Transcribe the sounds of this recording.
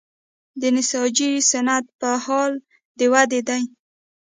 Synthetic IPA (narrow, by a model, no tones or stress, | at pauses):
d̪ənɪsɑd͡ʒisanat̪̚pəhɑl | d̪əwad̪ed̪aj